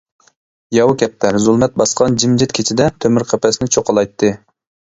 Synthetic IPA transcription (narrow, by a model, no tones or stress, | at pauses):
jɑwkʲʰɛp̚t̪ʰæɾzulˠmɛt̪̚bɑsqʰɑnd͡ʒimd͡ʒɪt̪̚kʲʰet͡ʃʰid̪ɛt̪ʰømyɾqʰɛpɛsɪnɪt͡ʃʰoqɑlˠɑjt̪ʰːɨ